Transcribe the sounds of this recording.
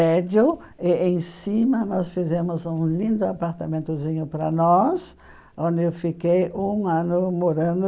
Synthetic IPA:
ɛd͡ʒʊ | ɪẽj̃sĩmɐnɔsfizẽmʊzũlĩnd̪ʊapaɾt̪amẽnt̪ʊzĩɲʊpɾɐnɔs | õnd̪ɪewfikejũɐ̃nʊmoɾɐ̃nd̪

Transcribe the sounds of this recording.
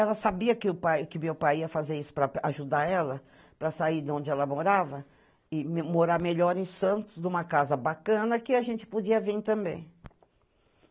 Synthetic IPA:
ɛlɐsabiɐkɪʊpajkɪʊmewpajiɐfazeɾisʊ̥pɾɐaʒud̪aɛlɐ | pɾɐsaid̪õnd͡ʒɪɛlɐmoɾavɐ | ɪmoɾaɾmeʎɔɾẽsɐ̃nt̪ʊzd̪ũmɐkazɐbakɐ̃nɐkɪaʒẽnt͡ʃɪ̥pod͡ʒiɐvĩɾt̪ɐ̃mbḛ̃j̃

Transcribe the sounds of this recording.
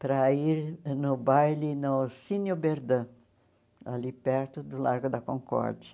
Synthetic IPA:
pɾɐiɾnʊbajlinʊsinjʊbeɾd̪ɐ̃ | a̰lipɛɾt̪ʊd̪ʊlaɾɡʊd̪ɐkõŋkɔ̰ɾd͡ʒɐ

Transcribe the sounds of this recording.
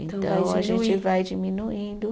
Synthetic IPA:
ḛ̃t̪ɐ̰̃w̃eaʒẽt͡ʃɪvajd͡ʒiminuĩd̪ʊ

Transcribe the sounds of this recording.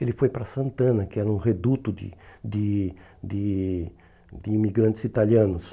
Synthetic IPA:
elɪfojpɾɐsɐ̃nt̪ɐ̃nɐkɪɛɾɐũʁed̪ut̪ʊd̪ɪ̰d̪ɪ | d̪ɪ | d̪ɪimiɡɾɐ̃nt̪ɪsit̪aljɐ̃nʊs

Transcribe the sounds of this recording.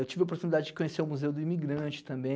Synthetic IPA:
ewt͡ʃivɪop̬oɾt̪unid̪ad͡ʒɪd͡ʒɪ̥kõɲeseʊ̃muzewd̪ʊimiɡɾɐ̃t͡ʃɪ̥t̪ɐ̃mbẽ

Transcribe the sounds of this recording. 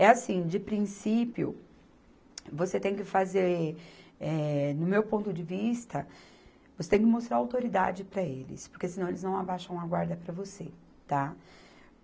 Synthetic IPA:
ɛasĩd͡ʒɪpɾĩsipjʊ̰ | voset̪ẽj̃kɪfazeɾ | ɛnʊmewpõnt̪ʊd͡ʒɪvist̪ɐ | vose̥t̪ẽj̃k̬ɪmost̪ɾaɾawt̪oɾid̪a̰d͡ʒɪpɾɐelɪ̰spoɾkesɪnɐ̃w̃elɪznɐ̃w̃abaʃɐ̃w̃ɐɡwaɾd̪ɐpɾɐvose | t̪a

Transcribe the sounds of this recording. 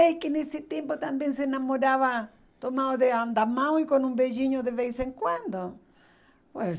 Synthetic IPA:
ɛjkɪnesɪt̪empot̪ambẽŋsenamoɾaβa | t̪omawðead̪amãw̃ikonũmbeʒiɲoðeβejseŋkwãnd̪o | pes

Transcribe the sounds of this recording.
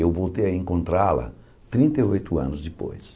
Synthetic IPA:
ewvowt̪ejɐẽŋkõnt̪ɾalɐ̰ | t̪ɾĩnt̪ɐjojt̪ʊɐ̰̃nʊzd͡ʒɪpo̰js

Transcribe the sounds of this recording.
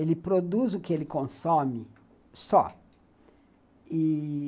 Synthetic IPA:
elɪpɾod̪uzʊkɪelɪkõsõmɪ | sɔ̰ | i

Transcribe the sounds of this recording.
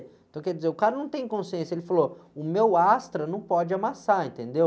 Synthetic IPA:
ẽt̪ɐ̃kɛɾd͡ʒɪzeɾʊkaɾɐnɐ̃w̃t̪ẽj̃kõsiẽsjɐelɪfaloʊmewast̪ɾɐnɐ̃w̃pɔd͡ʒɪamasaẽnt̪ẽnd̪ew

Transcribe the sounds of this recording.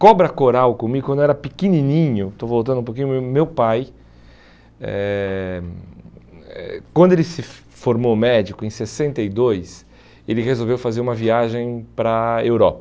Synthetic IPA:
kɔbɾɐkoɾawkõmiɡʊkɐ̃d̪ʊɛɾɐpikininĩɲʊt̪ovowt̪ɐ̃nd̪ũp̬okĩɲʊmemewpaj | ɛ̰ | ɛ̰kwɐ̃nd̪ʊelɪsɪ | foɾmomɛd͡ʒikʊẽj̃sesẽnt̪ɐid̪ojs | elɪʁezowvewfazeɾũmɐviaʒẽj̃pɾɐewɾɔpɐ

